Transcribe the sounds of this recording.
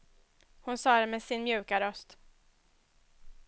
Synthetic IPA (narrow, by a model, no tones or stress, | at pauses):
hʊnsɑːd̪ɛmɛsɪnmjʉ̟ːkaɾœst̪